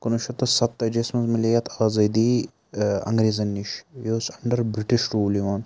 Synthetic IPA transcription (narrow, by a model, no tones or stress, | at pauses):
kɐnuʃɐt̪ːɐsɐt̪ːɐd͡ʒesmɐzmɐlijɐt̪ʰaːzɐd̪i | ɐ̰̃ŋɡɾiːzɐnːiʃjosɐɳɖɐɾbɾiʈiʃɾuːliʋɐːn